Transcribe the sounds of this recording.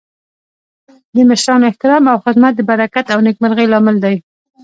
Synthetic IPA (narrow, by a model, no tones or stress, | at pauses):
d̪əmɪʃɾɑnoɪht̪ɪɾɑmawxɪd̪mat̪̚d̪əbaɾakat̪awnekmaɾɣəjlɑmɪld̪aj